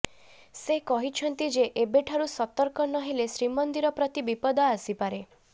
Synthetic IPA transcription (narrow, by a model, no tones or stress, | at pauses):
sekɔɦit͡ʃʰɔnt̪id͡ʒeʔebeʈʰaɾusɔt̪ɔɾkɔnɔɦilesɾimɔnd̪iɾɔpɾɔt̪ibipɔd̪ɔasipaɾe